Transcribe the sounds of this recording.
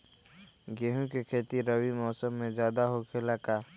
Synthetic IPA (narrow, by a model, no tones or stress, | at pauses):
ɡeːɦũkekʰeːt̪iɾəwimɔːsəmːẽd͡ʒjaːd̪aɦokʰelakaː